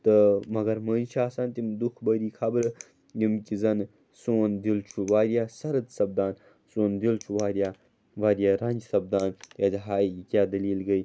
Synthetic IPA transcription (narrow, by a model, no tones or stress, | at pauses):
t̪əmɐɡɐɾməːnit͡ʃʰaːsɐnt̪imd̪uxbɐɾiːkʰɐbɾɐ | d̪imkizɐn | soːnd̪ilt͡ʃʰuwaːɾjaːsɐɾɐt̪sɐb̚d̪aːn | soːnd̪ilt͡ʃʰuʋaːɾijaː | ʋaːɾjaːɾɐnʲd͡ʒsɐb̚d̪aːnɐzɦaːjikʲaːd̪ɐliːlɡəj